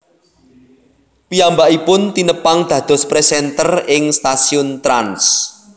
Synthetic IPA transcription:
piambaʔipʊnt̪inəpaŋd̪̥ä̤d̪̥ɔ̤spɾesɛnt̪ərɪŋst̪asiʊnt̪ɾans

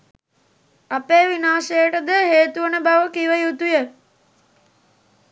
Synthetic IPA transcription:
apeːʋinaːʃejəʈəd̪əɦeːt̪uənəbaʋəkiʋəjut̪ujə

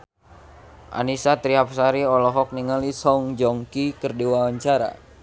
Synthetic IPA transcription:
ʔa̰nisat̪ɾiɦap̚saɾiɔlɔɦɔk̚niŋalisɔŋd͡ʒɔŋkikərdiwawaɲt͡ʃaɾa̰

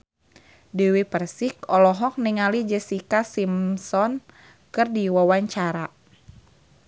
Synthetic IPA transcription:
dəwipərsikɔlɔɦɔk̚niŋalid͡ʒɛsikasimsɔn | kɨrdiwawaɲt͡ʃaɾa

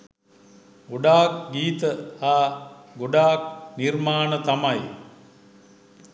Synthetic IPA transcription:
ɡoɖaːkɡiːt̪əaːɡoɖaːk̚nirmaːnət̪amaj

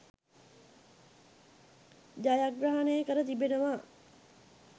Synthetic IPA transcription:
d͡ʒajaɡɾaɦanəjəkəɾət̪ibenəʋa

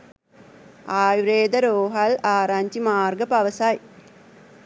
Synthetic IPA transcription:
aːjɾeːd̪ɐɾoːɦɐlaːɾaɲt͡ʃimaːrɡɐpɐʋɐsaj

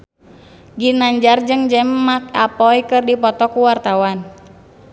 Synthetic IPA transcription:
ɡinaɲd͡ʒard͡ʒɨŋd͡ʒɛmːak̚apɔjkɨrdipɔt̪ɔkuwart̪awan

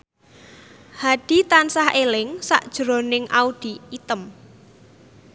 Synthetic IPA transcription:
haɖ̥i̤t̪ansahelɪŋsa̰ʔd̥ʒ̥ɾo̤nɪŋʔauɖ̥i̤it̪əm

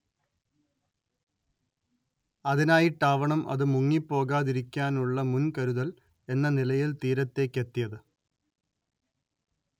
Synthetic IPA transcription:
ɐðinaːjiʈːaːʋɐɳɐmɐ̰ðɨmuŋːipːo̞ːɣaːðiɾikʲːaːnuɭːɐmunkɐɾuðɐl | e̞nːɐnilɐjilt̪iːɾɐt̪ːe̞ːkːe̞t̪ːijɐðɨ

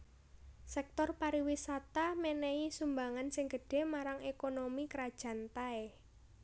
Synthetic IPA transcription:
sɛk̚t̪ɔrpaɾiwisat̪amɛnɛisumbaŋansɪŋɡə̤ɖ̥e̤maɾaŋekonomikɾad̥ʒ̥ä̤nt̪ae

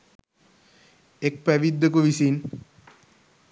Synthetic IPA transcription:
ek̚pɛʋid̪ːokuʋisin

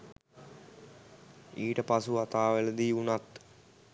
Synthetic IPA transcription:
iːʈəpasuat̪aːʋeləd̪iːunat̪

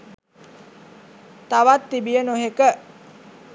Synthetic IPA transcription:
t̪aʋat̪ːibijənoɦekə

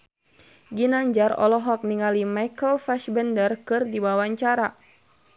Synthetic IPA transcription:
ɡinaɲd͡ʒaɾɔ̰lɔɦɔk̚niŋalimajkəlfɛʃbəndərkɨrdibawaɲt͡ʃaɾa

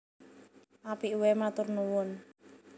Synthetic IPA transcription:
ʔapiʔuwɛmat̪ʊrnuwʊn

